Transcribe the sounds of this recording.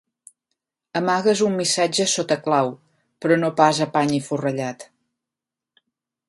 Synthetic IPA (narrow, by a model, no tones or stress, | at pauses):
əmaɣəzumːisad͡ʒəsot̪əklaw | pɾɔnopazəpaɲifurəʎat̪